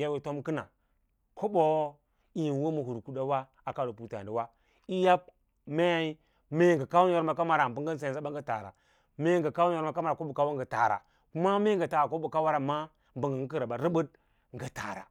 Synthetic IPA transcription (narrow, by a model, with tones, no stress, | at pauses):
ja˦we˨to˦mki˦na̰˨ | ko˦bo˦ | i˨n˨wo˦ma˨hu˨ɾku˦˨da˦wa˦ | a˨ka˦do˨pu˨ta̰˨da˨wa˦ | i˦ja˦p̚ | me˦ja˦i˦ | me˦˨ŋɡa˨ka˦wu˦a˨˦ɾma˨ka˦ma˦ɾa˨m˨bu˦ŋɡa˦n˦s̬a˨a˦ba˦ŋ˦ɡa˦ta̰˨ɾa̰˨ | me˦ŋɡa˨ka˦wu˦a˨ɾma˨ka˦ma˨ɾa˨ko˦bo˨ka˦wa˦ŋɡa˨ta̰˨ɾa̰˨ | ku˦ma˦me˦ɡa˨ta˨ɾa˨ko˦o˨ka˦wa˦ɾa˨ma˦ | mbu˨ŋɡa˨ŋ˦ki˦ɾa˨ba˨ɾi˦bu˦d̚ | ŋ˨ɡa˨ta̰˨ɾa̰˨